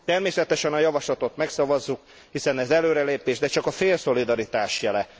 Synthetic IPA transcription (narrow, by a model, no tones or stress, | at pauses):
t̪ɛrmeːsɛt̪ɛʃɛnɒjɒvɒʃlɒt̪o̞t̪mɛksɒvɒzːuk | hisɛnɛzɛløːɾɛleːpeːʒd̪ɛt͡ʃɒkɒfeːlso̞lid̪ɒɾit̪aːʃjɛlɛ